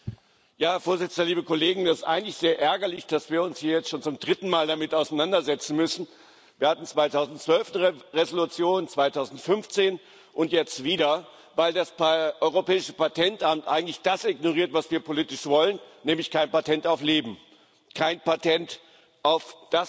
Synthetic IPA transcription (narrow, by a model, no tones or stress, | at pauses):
jaːhɛɐfoːɐzɪt͡sn̩dɐliːbəkoleːɡŋ̩dasɪstʔaɪɡŋ̩tlɪçz̥eːɐʔɛɐɡɐlɪçd̥asv̥iːɐʊnshiːɐjɛt͡stʃoːnt͡sʊmdʁɪtn̩maːldamɪtaʊsaɪnandɐzɛt͡sn̩mʏsn̩ | viːɐhatn̩t͡sv̥aɪtaʊzn̩tt͡sv̥œlfn̩əʁezolut͡sjoːnt͡sv̥aɪtʰaʊzn̩tfʏnft͡seːn | ʔʊntjɛt͡stv̥iːdɐ | vaɪldaspʔɔʏʁopɛːɪʃə̥patʰɛntʔamtʔa̰ɪŋ̩tlɪçd̥asɪɡnoʁiːɐtv̥asv̥iːɐpʰolitɪʃv̥ɔlənnɛːmlɪçkʰaɪnpatʰɛntaʊfleːbm̩ | kʰaɪnpatʰɛnt | ʔaʊfd̥as